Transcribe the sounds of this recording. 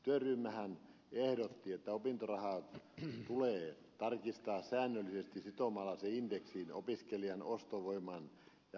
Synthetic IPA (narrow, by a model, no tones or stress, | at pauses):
t̪yørymːæhæn | ehdot̪ːiet̪ːæopint̪orɑhɑˑ | t̪uleː | t̪ɑrkist̪ɑːssæːnːølːˑisest̪isit̪omɑlːˑɑseind̥eksino̰piskeliɑnost̪oʋoimˑɑn | jɑ